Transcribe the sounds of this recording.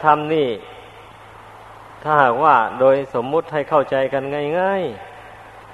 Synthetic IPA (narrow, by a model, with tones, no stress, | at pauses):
t̪ʰa˧˥mniː˧˥˩ | t̪ʰaː˧˩haː˨˩k̚waː˧˩doː˧jso˩˦mːu˧˥t̪̚ha˧˥˩jkʰa˧˩wt͡ɕa˧jka˧nŋa˧˩jŋaː˧˥˩j